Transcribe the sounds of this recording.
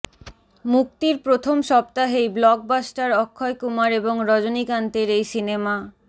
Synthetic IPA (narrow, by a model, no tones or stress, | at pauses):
muk̚t̪iɾpɾot̪ʰomʃɔpt̪aɦejblɔɡ̚basʈaɾɔkʰːɔekumaɾeboŋɾɔd͡ʑonikant̪eɾejsinema